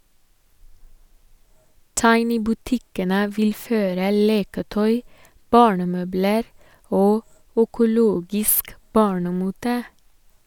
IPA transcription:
ˈtɑɪnɪ bʉˈtɪkənə ˈʋɪl ˈføːɾə ˈleːkəˌtœʏ ˈbɑːɳəˌmøːbləɾ ˈoː œkʊˈloːɡɪsk ˈbɑːɳəˌmuːtə

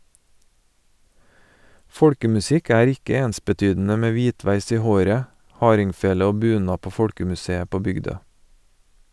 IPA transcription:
ˈfɔɽkəmʉˌsɪk ˈæːɾ ˈɪkə ˈeːnsbəˌtyːdn̩ə ˈmeː ˈʋiːˌtʋæɪs ˈiː ˈhoːɾə ˈhɑːɾɪŋˌfeːlə ˈoː ˈbʉːˌnɑː ˈpoː ˈfɔɽkəmʉˌseːə ˈpoː ˈbʏɡˌdøː

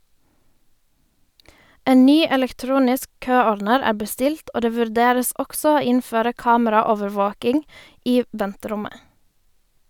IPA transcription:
ˈeː ˈnyː ɛlɛkˈtɾuːnɪsk ˈkøːɔɾdnəɾ ˈæː bəˈstɪlt ˈoː ˈdeː ʋʉɾˈdeːɾəs ˈɔks ˈoː ˈɪnføːɾə ˈkɑːməɾɑˌoːʋəɾˌʋoːkɪŋ ˈiː ˈʋɛntəˌɾʊmə

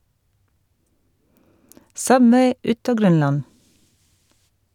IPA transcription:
ˈsʌbʋeɪ ˈʉt ˈɑː ˈɡɾœnˌlɑn

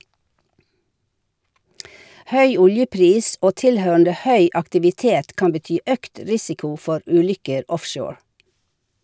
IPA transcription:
ˈhœʏ ˈʊljəˌpɾiːs ˈoː ˈtɪlhøːɳ̩də ˈhœʏ ɑktɪʋɪˈteːt ˈkɑm bəˈtyː ˈœkt ˈɾɪsɪkʊ ˈfɔɾ ˈʉːˌlʏkəɾ ˈɔfˌʃoːɹ

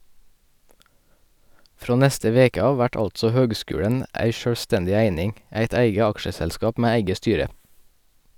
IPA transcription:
ˈfɾoː ˈnɛstə ˈʋeːkə ˈɑːʋ ˈʋæʈ ˈɑltsɔ ˈhøːɡˌskʉːɽən ˈæɪ ʃøːɽˈstɛndɪ ˈæɪnɪŋ ˈæɪt ˈæɪɡə ˈɑkʃəsɛlˌskɑːp ˈmeː ˈæɪɡə ˈstyːɾə

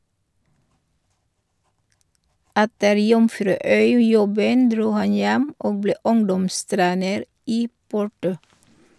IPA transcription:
ˈɛtəɾ ˈjʊmfɾʉːˌœʏˌjɔbən ˈdɾuː ˈhɑn ˈjɛm ˈoːɡ ˈbleː ˈʊŋdɔmˌstɾeːnəɾ ˈiː ˈpʊʈʊ

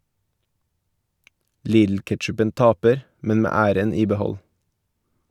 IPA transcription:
ˈliːdl̩ˌkɛʈʃʉpənt ˈɑːpəɾ ˈmɛn ˈmeː ˈæːɾən ˈiː bəˈhɔl

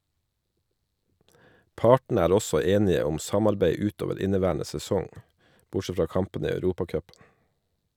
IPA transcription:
ˈpɑːʈn̩ ˈæːɾ ˈɔsɔ ˈeːnɪə ˈʊm ˈsɑmɑɾbæɪ ˈʉːt ˈoːʋəɾ ˈɪnəˌʋæːɳə sɛˈsɔŋ ˈbʊˌʃɛ ˈfɾɑː ˈkɑmpən ˈiː ɑʉˈɾuːpɑˌkœpn̩

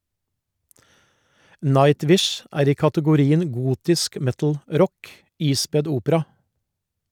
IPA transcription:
ˈnɑɪˌtʋɪʃ ˈæːɾ ˈiː kɑtəɡʊˈɾiːən ˈɡuːtɪsk ˈmɛtl̩ˌɾɔk ˈiːspɛd ˈuːpəɾɑ

